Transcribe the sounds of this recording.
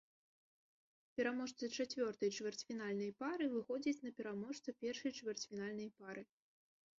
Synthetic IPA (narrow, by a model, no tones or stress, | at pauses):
pʲɛɾamɔʂt̪sɨt͡ʂat͡sʲvʲɔrt̪ɐjt͡ʂvʲɛrt͡sʲfʲinalʲnɐjpaɾɨvɨxɔd͡zʲit͡sʲnɐpʲɛɾamɔʂt̪sɨpʲɛrʂɐjt͡ʂvʲɛrt͡sʲfʲinalʲnɐjpaɾʔɨ